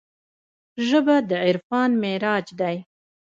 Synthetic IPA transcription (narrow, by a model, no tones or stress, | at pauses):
ʒəbad̪əʕɪɾfɑnmeɾɑd͡ʒd̪aj